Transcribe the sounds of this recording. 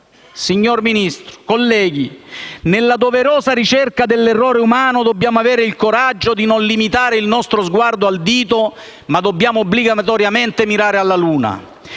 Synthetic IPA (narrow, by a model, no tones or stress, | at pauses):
siɲːorminist̪ɾo̥kolːɛːɡinelːad̪oveɾoːzaɾit͡ʃɛrkad̪elːerːɔːɾeumaːnod̪obːjaːmoaveːɾeilkoɾad͡ʒːod̪inonlimit̪aːɾeilnɔst̪ɾozɡward̪oald̪iːt̪o | mad̪obːjaːmoːbliɡat̪ɔɾjament̪emiɾaːɾealːaluːna̰